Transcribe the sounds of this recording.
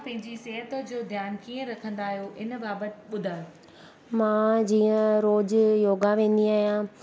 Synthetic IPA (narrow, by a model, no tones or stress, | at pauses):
pɐ̃ɦɪ̃ɲd͡ʑiseːɦət̪əd͡ʑoːd̪ʱjaːnkiːə̃ɾɐkʰə̃nd̪aːɦijoʔɪnbaːbət̪ɪɓʊd̪ʱaːjoː | mãːd͡ʑiːə̃ɾoːd͡ʑjoːɡaʋẽːn̆d̪iaːɦijã